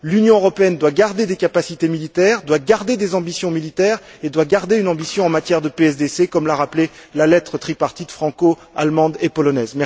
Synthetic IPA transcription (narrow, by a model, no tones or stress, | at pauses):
lynjɔ̃øʁɔpeɛnd̪waɡaʁd̪ed̪ekapasit̪emilit̪ɛːʁd̪waɡaʁd̪ed̪ezɑ̃bisjɔ̃milit̪ɛʁ | ed̪waɡaʁd̪eynɑ̃bisjɔ̃ɑ̃mat̪jɛʁd̪əpeɛs̬d̪esekɔmlaʁaplelalɛt̪χət̪χipaʁt̪it̪fχɑ̃ko | a̰lmɑ̃d̪epɔlɔnɛzmɛ